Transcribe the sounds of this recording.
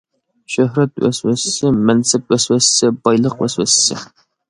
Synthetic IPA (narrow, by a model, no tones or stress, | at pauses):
ʃøɦɾɛt̪wɛswɛssɪmɛnsɛp̚wɛswɛssɪbɑjlˠəqwɛswɛsːɪ̰